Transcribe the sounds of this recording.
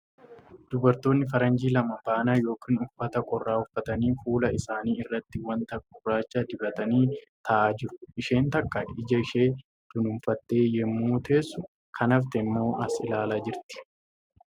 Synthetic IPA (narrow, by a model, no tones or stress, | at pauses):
d̪̥ʊbɐɾt̪o̞ːnːɪfɐɾɐnd͡ʒiːlɐmɐbaːnaːjo̞ːkiːnʊfːɐt̪ɐkʼɔrːaːʊfːɐt̪ɐniːfuːlɐɪsaːniːɪrːɐt̪ːɪwɐnt̪ɐkʼʊrːaːt͡ʃːaːd̪ɪbɐt̪ɐniːt̪ʰɐʔaːd͡ʒɪɾʊʔɪʃe̞ːnt̪ɐkːɐɪd͡ʒɐɪʃe̞ː | d̪̥ʊnʊmfɐt̪ːe̞ːjɛmːuːt̪ʰe̞ːsːʊ | kʰɐnɐft̪ɛmːo̞ːʔɐsɪlaːlad͡ʒɪɾt̪ɪ̥